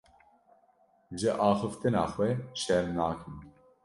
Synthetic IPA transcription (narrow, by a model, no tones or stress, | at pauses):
ʒɨʔɑːxɨft̪ɨnɑːxwɛʃɛɾmnɑːkʰɨm